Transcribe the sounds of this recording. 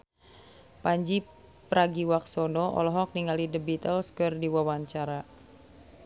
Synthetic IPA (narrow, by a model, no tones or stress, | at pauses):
paɲd͡ʒi | pɾaɡiwaksɔnɔʔɔ̰lɔɦɔk̚niŋalidəbit̪əlskɨrdiwawaɲt͡ʃaɾa